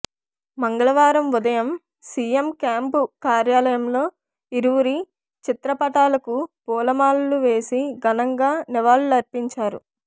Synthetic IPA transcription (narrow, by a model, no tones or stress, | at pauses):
mɐŋɡɐɭɐʋaːɾɐmʋud̪ɐjɐm | siːjemkjaːmpukaːɾjaːlɐjɐmlo̞ː | iɾuʋuɾi | t͡ʃit̪ɾɐpɐʈaːlɐkupuːlɐmaːlluʋe̞ːsiɡɐnɐŋɡaːnɛʋaːlulɐɾpiɲt͡ʃaːɾṵ